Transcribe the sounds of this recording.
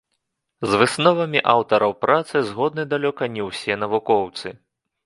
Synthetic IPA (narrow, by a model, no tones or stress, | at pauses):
zvɨsnɔvɐmʲiʔawt̪ɐɾɐwpɾat̪sɨzɣɔd̪̚nɨd̪alʲɔkɐnʲɛwsʲɛnɐvukɔwt̪sɨ